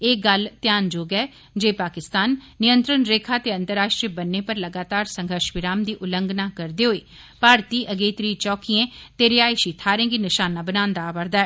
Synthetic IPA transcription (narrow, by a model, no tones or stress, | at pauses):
eːɡəlt̪ɪjaːnd͡ʒoːɡɛː | d͡ʒeːpaːkɪst̪aːnːɪjə̃nt̪ɾənɾeːkʰaːt̪eːə̃nt̪əɾaːʃʈɾiːbənːeːpəɾləɡaːt̪aːɾsəŋɡʱəɾʃʋɪɾaːmd̪iːʔʊləŋɡnaːkəɾd̪eːɦoeː | paːɾt̪iːʔəɡeːt̪ɾiːt͡ʃɔːkiẽːt̪eːɾɪaːiʃiːt̪ʰaːɾẽːɡiːnɪʃaːnːaːbənãːnd̪aːʋəɾd̪aːɛː